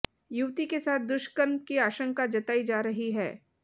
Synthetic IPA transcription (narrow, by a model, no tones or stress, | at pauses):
juʋt̪ikesaːt̪̚ʰd̪ʊʃkəɾmkiaːʃə̃ŋkad͡ʒɐt̪aːid͡ʒaːɾɐɦiɦɛː